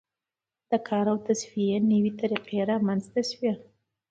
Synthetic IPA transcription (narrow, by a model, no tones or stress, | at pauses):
d̪̥əkʰɑɾawt̪asfijenəwit̪aɾiqeɾamanzt̪aswija